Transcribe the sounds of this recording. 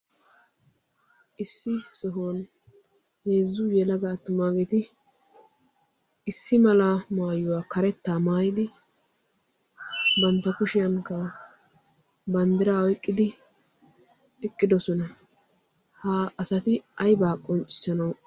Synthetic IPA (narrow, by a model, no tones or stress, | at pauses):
ʔɪsːɪsɔɦɔn | heːzːʊjɛlɐɡaːt̪ːʊmaːɡet̪ɪ | ɪsːɪmɐlɐmaːjʊwaːkɐɾɛt̪ːaːmaːjɪd̪ɪ | bɐnt̪ːɐkʊʃɪjɐŋkːɐ | bɐnd̪ɪɾaːɔɪkʼːɪd̪ɪ | ɛkʼːɪd̪ɔsɔnɐ | haːɐsɐt̪ɪɐjbaːkʼːɔnt͡ʃʼɪ̥sɐnɐw